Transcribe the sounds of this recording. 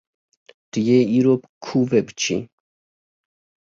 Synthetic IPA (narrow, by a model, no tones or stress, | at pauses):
t̪ijɛiɾɔpkʰuvɛpt͡ʃʰḭ